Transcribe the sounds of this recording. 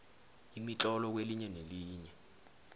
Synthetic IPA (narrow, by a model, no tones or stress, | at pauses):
imit͡ɬʼɔlɔk̬weliɲɛneliːɲɛ